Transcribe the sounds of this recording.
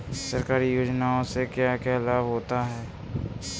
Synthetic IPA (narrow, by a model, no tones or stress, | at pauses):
səɾkaːɾijoːd͡ʒnaõsekjakjaːlaːbɦoːt̪aɦɛː